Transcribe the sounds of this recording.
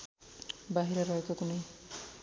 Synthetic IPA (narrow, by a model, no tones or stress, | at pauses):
baɦiɾaɾʌekokunej